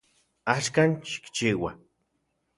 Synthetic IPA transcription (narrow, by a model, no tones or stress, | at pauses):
aʃkanʃi̥kt͡ʃiːwa